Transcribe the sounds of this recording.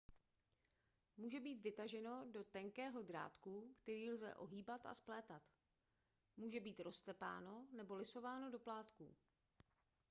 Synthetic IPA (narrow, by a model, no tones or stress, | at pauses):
muːʒɛbiːt̪vɪt̪aʒɛno̞do̞t̪ɛŋkɛːɦo̞dɾa̰ːt̪kukt̪ɛɾiːlzɛ̰ʔo̞ɦiːbat̪a̰splɛːt̪at̪ | muːʒɛbiːt̪ɾo̞st̪ɛpa̰ːno̞nɛbo̞lɪso̞vaːno̞do̞plaːt̪kṵ